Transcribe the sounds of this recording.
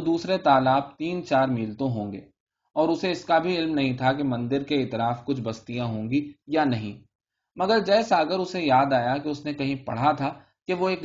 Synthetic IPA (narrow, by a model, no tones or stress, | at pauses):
d̪uːsɾet̪aːlaːb̚t̪iːnt͡ʃaːɾmiːlt̪õɦõːŋɡḛː | ɔːɾʊseɪskabʱiɪlmnɐɦĩt̪ʰakemɐ̃nd̪ɪɾkeɪːt̪ɪlaːfkʊt͡ʃʰbɐst̪ijãɦõːŋɡijanɐɦĩː | mɐɡəɾd͡ʒɛːsaːɡəɾʊsejaːd̪aːjakeʊsnekɐɦĩpɐ̰ɽ̤at̪ʰa | keʋoeːk